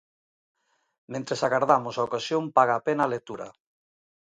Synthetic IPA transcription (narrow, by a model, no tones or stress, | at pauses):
mẽnt̪ɾesaɣaɾðamʊsaokasjompaɣaːpenaːlet̪uɾɐ̰